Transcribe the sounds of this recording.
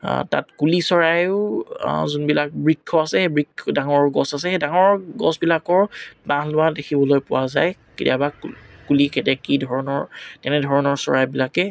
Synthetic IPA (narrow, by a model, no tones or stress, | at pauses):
ta̰tkulisɔɹajʊ | zunbilak̚bɹikʰːɔasɛhebɹikʰːɔdaŋɔɹɡɔsasɛxɛdaŋɔɹɡɔsbilakɔɹbãɦlʊwadekʰibɔlojpʊwaza̰jkidiabakulikʰɛtɛkidʱɔɹɔnɔɹtɛnɛdʱɔɹɔnɔɹsɔ̰ɹajbilakɛ